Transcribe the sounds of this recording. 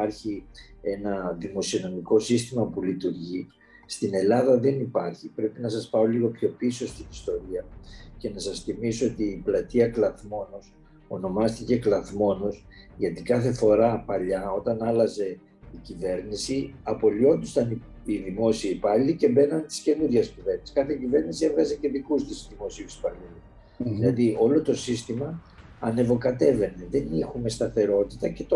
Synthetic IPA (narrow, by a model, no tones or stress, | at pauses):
ɐɾçie̞nɐðimo̞sio̞no̞miko̞sist̪imɐpulit̪uɾʝi | st̪ine̞lɐðɐðe̞nipɐɾçipɾe̞pinɐsɐspɐo̞liɣo̞pço̞piso̞st̪inist̪o̞ɾiɐce̞nɐsɐsθimisoot̪iːplɐt̪iɐklɐθmo̞nos | o̞no̞mɐst̪ice̞klɐθmo̞nos | ʝɐt̪ikɐθe̞fo̞ɾɐpɐʎɐo̞t̪ɐnɐlɐze̞ | icive̞ɾnisiɐpo̞lio̞nd̪ust̪ɐni | iðimo̞siipɐʎice̞be̞nɐnt̪i̥sce̞nuɾʝɐscive̞ɾnisi̥skɐθecive̞ɾnisievɣɐzeceðikust̪isðimo̞siusi̥pɐʎis | ilɐðio̞lo̞t̪o̞sist̪imɐ | ɐne̞vo̞kɐt̪e̞ve̞ne̞ðe̞nixume̞st̪ɐθe̞ɾo̞t̪it̪ɐce̞t̪o